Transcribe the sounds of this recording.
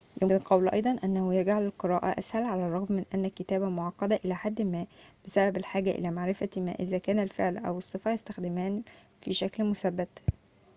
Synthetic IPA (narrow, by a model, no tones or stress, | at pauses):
jʔonlqɑwlʔɑ̰jd̪ˤɑnʔænːæhojæɡʕalelqɨɾɑːʔæ̰ʔæshælʕalærˤːɑɣmːɪnʔænːækːet̪æːbæmoʕɑqːɑd̪æʔelæːħad̪ːmæːb̥esæbæbelħaːɡæʔḛlæːmaʕɾɪfæmæ̰ːʔɪzæːkæːnælfeʕlʔæ̰wɨsˤːɨfɑjest̪æxd̪ɪmæːnfiʃæklmosæbːæt̪